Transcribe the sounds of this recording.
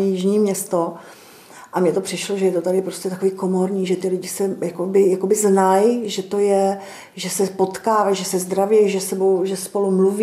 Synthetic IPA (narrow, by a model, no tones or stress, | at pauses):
ɛjɪʒɲiːmɲɛst̪o | ʔamɲɛt̪opr̥ɪʃloʒɛjɛt̪ot̪aɾɪpɾo̞scɛt̪akoviːko̞mo̞ɾɲiːʒɛt̪ɪlɪɟɪsɛjakobɪjakobɪznajʒɛt̪o̞jɛ | ʒɛsɛpo̞t̪kaːvajʒɛsɛzd̪ɾavjɛjʒɛsɛbowʒɛspo̞lumluv